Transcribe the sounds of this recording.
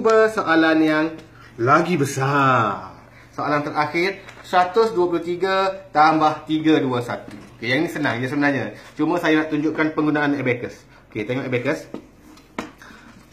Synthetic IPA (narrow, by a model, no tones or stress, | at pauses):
ubəsoʔalanjaŋ | laɡibəsa | soalant̪əɾaxɪrsəɾat̪ʊsduapuluht̪iɡat̪ambaht̪iɡaduəsa̰t̪uokejaŋinisənãŋjasəbənarɲat͡ʃumə̃sajanaʔt̪uɲd͡ʒʊʔkanpəŋɡunaanebekəs | oket̪eŋɔʔebekəs